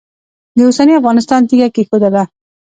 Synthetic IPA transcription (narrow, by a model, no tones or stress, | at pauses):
d̪əosaniafɣɑnɪst̪ɑnt̪iɡakexod̪ad̪a